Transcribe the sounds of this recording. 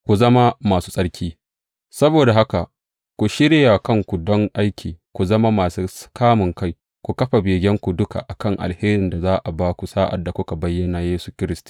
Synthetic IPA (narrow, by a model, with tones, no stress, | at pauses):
kʷu˨zɐ˦ma˦maː˨suː˦sʼɐ˦ɽkʲiː˦ | sɐ˦boː˨da˨ɦa˦ka˨ | kʷu˨ʃɪ˦ɽɪ˦ja˨kɐ˦ŋkʷu˨dɔ˦ŋʔa˦jkʲʰiː˨kʷu˨zɐ˦ma˦maː˨su˦kaː˦mʊ˨ŋka˦˨j | kʷu˨kɐ˦ɸa˨beː˨ɡʲɛ˦ŋkʷu˨dʊ˦ka̰˨ʔa˨kɐ˦˨ŋʔa̰˨lheː˦ɾɪ˨nda˨zaː˦ʔa˨baː˦kʷu˨saː˦ʔa̰˨dːa˨kʷʊ˦ka˨bɐ˦jːɐ˦na˨jeː˦su˨kʲɪ˦ɾɪ˦stu̥˨